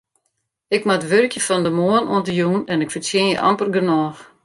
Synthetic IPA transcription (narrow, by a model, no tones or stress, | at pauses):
ɪkmaətʋørkjəfɔndəmoənuəntəjuːnɛnɪkfəsjɪnjə̰ʔa̰mpərɡənɔːx